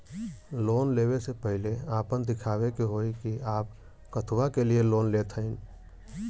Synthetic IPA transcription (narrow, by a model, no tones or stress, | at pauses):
loːnleːwesepəɦɪleaːpənd̪ɪkʰaːwekeɦoːikiaːp̚ | kət̪ʰwakelieloːnleːt̪ʰəɪn